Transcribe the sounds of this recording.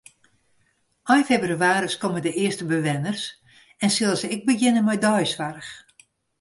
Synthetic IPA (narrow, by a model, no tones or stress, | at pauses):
ɔjfɛbryaːɾəskɔmədəʔɪəstəbəʋɛnərs | ɛnsɪlˠsəɪɡ̚bəɡɪnəmɛjdɔjsʋarəx